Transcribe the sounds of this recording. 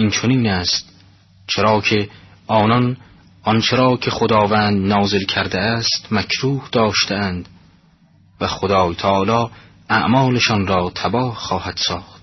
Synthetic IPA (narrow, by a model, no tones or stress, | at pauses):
int͡ʃʰoniːnæːst̪̚ | t͡ʃʰeɾɒːkʰe̞ | ɒːnɒn | ʔɒnt͡ʃʰe̞ɾɒːkʰe̞xod̪ɒːvæːnd̪nɒːzelkʰæɾd̪eæst̪mækʰɾuːhd̪̥ɒːʃt̪eænd̪ | væxod̪ɒːjt̪ʰæʔɒːlɒː | æʔmɒːleʃɒnɾɒːt̪ʰæbɒːhχɒːhæd̪̥sɒːχt̪